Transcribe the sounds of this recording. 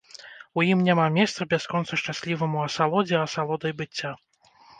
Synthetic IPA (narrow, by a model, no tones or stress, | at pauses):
ujimnʲamamʲɛst̪sɐbʲaskɔnt̪sɐʂt͡ʂasʲlʲivɐmuɐsalˠɔd͡zʲɛɐsalˠɔd̪ɐjbɨt͡sʲːa